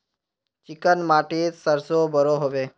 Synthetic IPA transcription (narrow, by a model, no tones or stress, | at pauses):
t͡ʃɪkənmaːʈiːt̪səɾsobʱəɾoɦoʋeː